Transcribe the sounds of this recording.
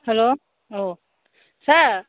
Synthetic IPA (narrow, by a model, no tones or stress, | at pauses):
hɛloː | o | sɐɾ